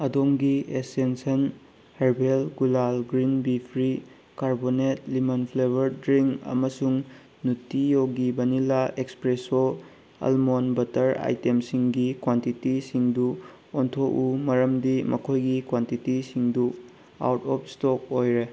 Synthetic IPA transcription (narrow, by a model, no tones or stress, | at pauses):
ɐdoŋɡiesensɐn | heɾbelɡulalɡɾinbipʰɾi | kaɾbonet̚limɐnpʰlebɐɾdɾiŋɐ̰mɐsuŋ | nutːijowɡibɐnilaekspɾeso | ɐ̰lmonbɐtɐɾa̰jtemsiŋɡikwantitisiŋdu | ontʰoʔumɐɾɐmdimʔɐkʰojɡikwantitisiŋdu | a̰wtɔp̚stok̚ojɾe